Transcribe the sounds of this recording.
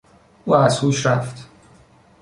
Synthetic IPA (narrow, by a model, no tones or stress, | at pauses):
ʔuːæz̥huːʃɾæft̪